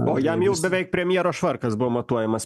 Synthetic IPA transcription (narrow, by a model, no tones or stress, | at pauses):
oːjɛmjɛʊbʲɛʋʲɛɪk̚pʲɾʲɛmʲjiɛɾoːʃʋɐɾkɐsbʊʋoːmɐt̪uɔjɛmɐs